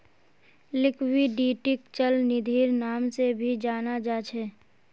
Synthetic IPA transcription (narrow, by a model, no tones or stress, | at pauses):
lɪkʰwiɖiːʈɪkt͡ʃəlnɪd̪ʱiːɾnaːmsebʱid͡ʒaːnad͡ʒaːt͡ʃʰɛː